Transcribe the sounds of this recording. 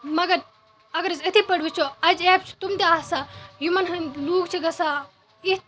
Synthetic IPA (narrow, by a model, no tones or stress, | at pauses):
mɐɡɐɾ | ɐɡɐɾɐzɐt̪ʰipɐɽʋit͡ʃʰoɐd͡ʒeːbt͡ʃʰu̥t̪umd̪iaːsajumɐnɦɐnluːɡt͡ʃʰiɡɐsa | i